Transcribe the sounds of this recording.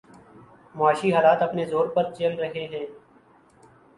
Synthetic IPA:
mʊaːʃiɦaːlaːt̪əpnezoːɾpəɾt͡ʃeːlɾəɦeɦɛ̃ː

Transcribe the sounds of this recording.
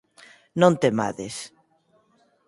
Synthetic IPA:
nõnt̪ema̰ðḛs

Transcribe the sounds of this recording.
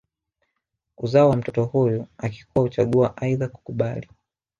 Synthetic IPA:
uzaɔwam̩tɔtɔhujuaki̥kuwahut͡ʃaɠuaʔaiðaku̥kuɓali

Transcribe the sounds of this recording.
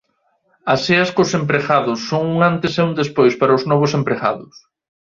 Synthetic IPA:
ɐseɐskosempɾeɣaðʊsːoŋuŋant̪ɪseund̪espojspaɾɐʊznɔβ̞ʊsempɾeɣa̰ðʊs

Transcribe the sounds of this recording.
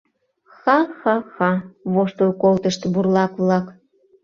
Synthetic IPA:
xɑxɑxɑβoʃt̪olkolt̪əʃt̪burlɑkβlɑk

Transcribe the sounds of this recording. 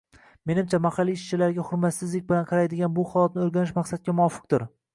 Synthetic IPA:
me̞nɪmt͡ʃʰamahɑlːiːʃt͡ʃʰɪlaɾɡʲaχʊɾmat̪sɪzlɪk̚ʲbɪlanqʰɑɾajd̪ɪɡʲanbʊχɒjˠɒt̪nɪoɾɡʲanɪʃmaqsat̪̚kʲamʊɒfɨ̥q̚d̪ɪɾ

